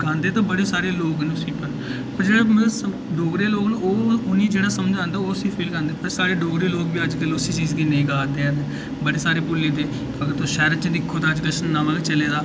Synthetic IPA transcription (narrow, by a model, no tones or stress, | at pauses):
ɡãːnd̪eːt̪ãːbəɽeːsaːɾeːloːknʊsĩːpəɾ | pəɾd͡ʒeːɽaːmsə | ɖoːɡɾeːloːɡnːoːʊniːd͡ʒeːɽaːsəmd͡ʒãːnd̪aːosiːpʰeːlkãnd̪eːpəɾsaːɾeːɖoːɡɾeːloːɡbiːəd͡ʒkəlʊsiːt͡ʃiːzɡiːneĩːɡãːd̪eːɛne | bəɽeːsaːɾeːpʊlːeːd̪eː | kəɡəɾt̪oːʃɛːɾət͡ʃəd̪ɪkʰːoːt̪aːd͡ʒɡəʃənːãːʋaːɡat͡ʃəleːd̪aː